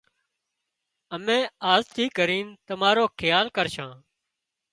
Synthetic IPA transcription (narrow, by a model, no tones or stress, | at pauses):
əmẽːaːzt̪ʰiːkəɾiːnt̪əmaːɾoːkʰɪjaːlkəɾʃãː